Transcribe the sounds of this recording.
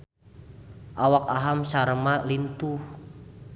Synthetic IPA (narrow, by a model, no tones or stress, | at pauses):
ʔawakaɦamsaɾəmalint̪uh